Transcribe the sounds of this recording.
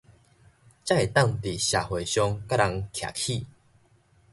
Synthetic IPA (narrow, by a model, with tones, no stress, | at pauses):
t͡ɕja˥e˨˩t̪a˥˨ŋt̪i˨˩ɕja˨˩hwe˨˩ɕjɔ˧ŋka˦˥la˧˦ŋkʰja̰˨˩kʰi˥˧˨